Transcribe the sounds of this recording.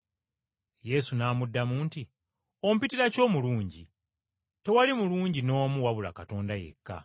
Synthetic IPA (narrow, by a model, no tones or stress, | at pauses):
je̞sunaːmudːamuːnti | o̞mupitiɾaco̞ːmuluːɲɟi | te̞walimuluːɲɟino̞ːmuwaβula̰kato̞ːndaje̞̰kːa̰